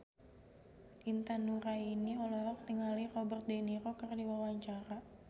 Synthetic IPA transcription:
ʔint̪anuɾainiɔlɔɾɔk̚t̪iŋalirɔbərt̪̚deniɾɔkərdiwawaɲt͡ʃaɾa

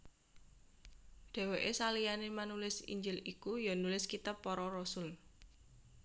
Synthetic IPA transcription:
ɖ̪̥ɛ̤weʔesalijanemanulɪsḭɲd͡ʒɪlikujɔnulɪskit̪apːɔɾɔɾɔsʊl

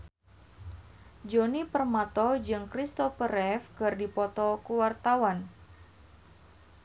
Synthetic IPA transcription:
d͡ʒonipərmat̪ɔd͡ʒɨŋkɾist̪ɔfəɾɛfkɨrdipɔt̪ɔkuwart̪awan

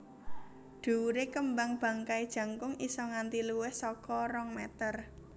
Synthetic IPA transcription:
ɖ̪̥ṳuɾekəmbaŋb̥ä̤ŋkaid̥ʒ̥ä̤ŋkʊŋisɔŋant̪iluwɪhsɔkɔɾɔŋmɛt̪ər

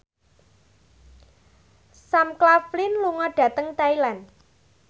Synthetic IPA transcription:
samklaflinluŋɔɖ̥a̤t̪əŋt̪ajlan

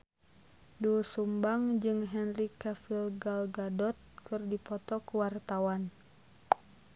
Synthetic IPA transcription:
dusumbaŋd͡ʒɨŋɦɛnrikafilɡalɡadɔt̪̚kɨrdipɔt̪ɔkuwart̪awan

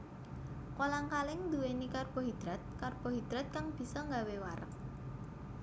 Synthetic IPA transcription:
kolaŋkalɪŋd̪uwenikarb̥ɔ̤ɦid̪̥ɾat̪̚karb̥ɔ̤ɦid̪̥ɾat̪̚kaŋb̥i̤sɔŋɡawewaɾə̰k̚

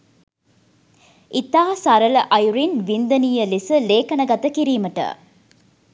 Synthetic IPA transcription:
it̪aːsaɾələʔɐjuɾinʋind̪ənijəlisəleːkɐnəɡɐt̪əkiɾiːməʈə̰

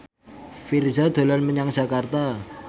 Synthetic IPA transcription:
firzad̪̥o̤lanməɲaŋdd͡ʒakart̪a

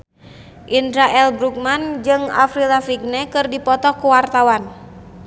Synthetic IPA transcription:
ʔindɾaʔɛlbɾuk̚mand͡ʒɨŋa̰fɾilafiɡ̚nɛkɨrdipɔt̪ɔkuwart̪awan

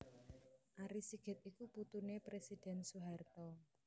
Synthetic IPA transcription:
ʔaɾisiɡ̥ɛ̤t̪̚ikuput̪unepɾesid̥ɛ̤nsuɦart̪ɔ

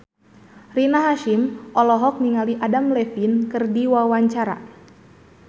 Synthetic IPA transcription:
rinaɦaʃimʔɔlɔɦɔk̚niŋaliʔadamlɛfinkɨrdiwawaɲt͡ʃaɾa̰

